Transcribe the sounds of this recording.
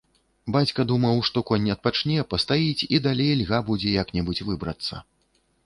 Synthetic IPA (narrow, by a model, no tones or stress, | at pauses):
bat͡sʲkɐd̪umɐwʂt̪ɔkɔnʲːɐt̪̚pat͡ʂnʲɛpɐst̪ajit͡sʲid̪alʲejlʲɣabud͡zʲɛjaknʲɛbut͡sʲvɨbɾɐt̪sːɐ̰